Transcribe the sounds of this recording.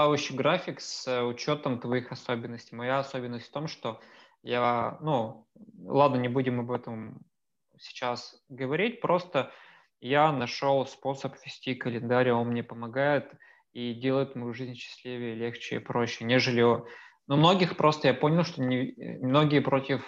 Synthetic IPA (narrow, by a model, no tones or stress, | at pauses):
t̪avəɕːɪɡɾafʲɪksʊt͡ɕo̞t̪əmt̪vɐixɐso̞bʲɪnːəsʲtʲɪjmɐjaɐso̞bʲɪnːəsʲt̪ʲft̪o̞mʂt̪o̞ | janu | lˠad̪nənʲɪbudʲɪmɐbɛt̪əm | sʲɪ̥t͡ɕasɡəvɐɾʲit̚ʲpɾo̞st̪ə | janɐʂo̞lˠspo̞səpvʲɪsʲtʲikəlʲɪnd̪aɾʲo̞nmnʲe̞pəmɐɡajɪt̪ | idʲe̞lˠəjɪt̪mɐjuʐɨzʲnʲɕːɪ̥sʲlʲivʲɪjəlʲe̞xt͡ɕɪḭpɾo̞ɕːɪnʲe̞ʐɨlʲɪonumno̞ɡʲɪxpɾo̞st̪əjapo̞nʲɪlˠʂt̪onʲɪmno̞ɡʲɪjəpɾo̞tʲɪf